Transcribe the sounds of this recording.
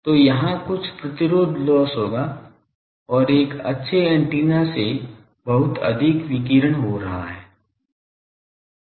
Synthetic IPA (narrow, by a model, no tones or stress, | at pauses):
t̪oːjɐɦãkʊt͡ʃʰpɾɐt̪ɪɾoːd̪ʱlɔːsɦoːɡa | ɔːɾeːkɐ̰tːʃʰeɛ̃ɳʈiːnase | bɐɦʊt̪ɐ̰d̪ʱɪkʋɪkiːɾəɽ̃ɦoɾɐɦa̰ɦɛː